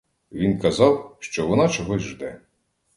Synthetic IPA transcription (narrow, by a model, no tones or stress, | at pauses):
ʋʲinkɐzɑwʃt͡ʃɔʋɔnɑt͡ʃɔɦɔzʲʒd̪ɛ